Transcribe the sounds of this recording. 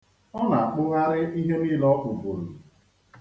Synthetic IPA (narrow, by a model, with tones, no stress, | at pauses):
ɔ˦na˨a˨k͡pʊ˦ɣa˦ɾɪ˦ʔi˦ɦe˦niː˦lɔ˦k͡pʊ˨bo˨ɾu˨